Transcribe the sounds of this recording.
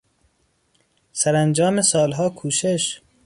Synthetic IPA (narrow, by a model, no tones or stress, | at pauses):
sæɾænd͡ʒɒːmesɒːlɦɒːkʰuːʃeʃ